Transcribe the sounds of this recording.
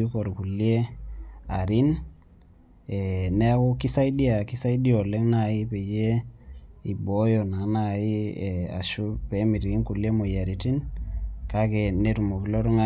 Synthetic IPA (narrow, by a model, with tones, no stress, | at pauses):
u˦ko˨ɾku˨lje˦ | a˨ɾi˦n | e˨ne˦a˦ku˦ki˦sa˦jdi˦a˨ki˦sa˦i˦di˦o˨le˦ŋna˦˨i˦pe˨je˦ | i˨bɔ˦jɔ˨na˨˦na˦˨i˦˨a̰˨ʃu˦pe˨˦mi˨ɾi˨ki˦ŋku˨li˦e˦mo˨ja˨ɾi˨ti˦nka˦ke˨ne˦tu˨mo˨ki˨lo˦ɾu˦ŋa˦